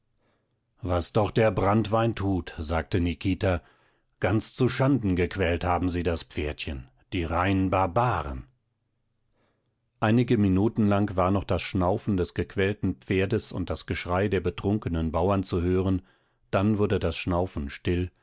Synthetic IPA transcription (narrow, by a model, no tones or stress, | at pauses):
vasd̥ɔχd̥eːɐbʁantv̥aɪntʰuːtzaːk̚tənikʰiːta | ɡ̥ant͡st͡suʃandn̩ɡəkʰv̥ɛlthaːbm̩ziːdaspp͡feːɐtçən | d̥iːʁaɪnənbaɐbaːʁə̰n | ʔaɪnɪɡəminuːtn̩laŋkvaːɐnɔχd̥asʃnaʊfn̩dɛsɡ̥əkʰv̥ɛːltn̩pp͡feːɐdəsʊ̰nt̚d̥asɡ̥əʃʁ̥aɪdeːɐbətʁ̥ʊŋkənənbaʊɐnt͡suhøːʁən | d̥anvʊɐdədasʃnaʊfn̩ʃtɪl